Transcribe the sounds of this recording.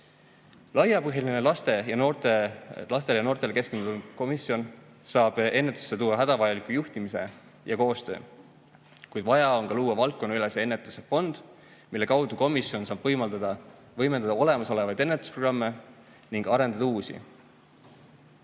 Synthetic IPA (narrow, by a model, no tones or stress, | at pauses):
lɑjɑpɤɦjilinelɑst̪e̞jɑnot̪elɑs̬t̪eljɑno̞ːrt̪e̞leke̞skend̪unu̥ko̞misjo̞n | sɑːb̥e̞nːe̞t̪ːˑu̥sːet̪uːwːɑɦæd̪̥ɑvɑjɑlikːˑujuht̪imise̞ | jɑko̞ːst̪ø̞̰ː | kujd̪̥vɑjɑo̞ŋkɑluːɑvɑlkːo̞nːylesee̞nːet̪ˑusefo̞nd̪̥ | milːe̞kɑwd̪̥uko̞misio̞nsɑːb̥vɤ̞jmɑld̪ɑd̪̥ɑ | vɤ̞jme̞nd̪ɑd̪ɑo̞le̞mɑso̞le̞vɑjd̪̥e̞nːet̪ːˑu̥sproɡrɑmːe̞ | niŋɡ̥ɑɾe̞nd̪̥ɑd̪ɑuːsḭ